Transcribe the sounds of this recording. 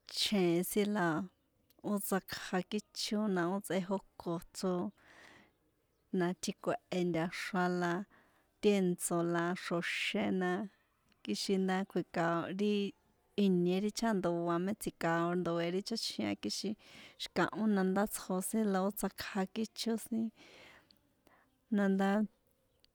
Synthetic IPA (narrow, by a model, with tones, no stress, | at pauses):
t͡ʃʰẽ˨˧sĩ˦la˧ | o˦t͡sa˧kʰha˧ki˦t͡ʃo˦nã˧o˦t͡sʔe˧ɦo˧ko˧t͡so˦ | nã˧t̪ʰi˧kʷe˧˨ʔe˧nd̪ʲa˧ʂa˧la˧ | t̪je˦nt͡so˧la˧ʂo˧ʃe˧nã˧ | ki˦ʃi˧nd̪a˦kʰʷi˧ka˧o˧ɾi˦ | i˧ɲẽ˧ɾi˦t͡ʃa˦nd̪o˨˧a˧mẽ˦t͡sʰi˧ka˧o˧nd̪o˨e˧ɾi˦t͡ʃa˦t͡ʃʰĩ˧ã̰˧ki˦ʃi˧ʃi̥˧kã̰˨ʔõ˦nã˧nd̪a˦t͡sho˧sĩ˦la˧o˦t͡sa˧kʰha˧ki˦t͡ʃʰo˦sĩ˦ | nã˧nd̪a˦